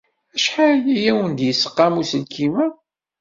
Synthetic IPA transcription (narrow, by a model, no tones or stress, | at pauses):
æʃħaɾijæwənd̪jəsːə̥qːɑmusəlkimæ